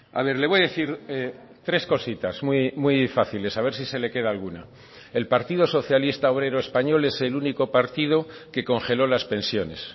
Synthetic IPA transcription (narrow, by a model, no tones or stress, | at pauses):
a̰β̞e̞ɾleβo̞jaðe̞θiɾe | t̪ɾe̞sko̞sit̪azmwimwuijfaθile̞saβ̞e̞ɾsise̞le̞ke̞ð̞alɣ̞una̰ | e̞lpaɾt̪ið̞o̞so̞θjalist̪ao̞βɾe̞ɾoespaɲo̞le̞se̞luniko̞paɾt̪ið̞o̞ke̞ko̞ŋxe̞lo̞laspe̞nsjo̞ne̞̰s